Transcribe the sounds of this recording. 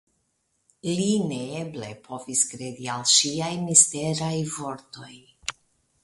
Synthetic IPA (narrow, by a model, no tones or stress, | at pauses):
lineeble̞̰pʰo̞viskɾed̪ialʃiajmisteɾajvo̞ɾt̪o̞j